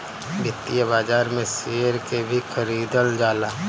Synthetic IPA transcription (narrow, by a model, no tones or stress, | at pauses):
bɪt̪ːijabaːd͡ʒaːɾmẽseːɾkebʱixʰəɾiːd̪əld͡ʒaːlaː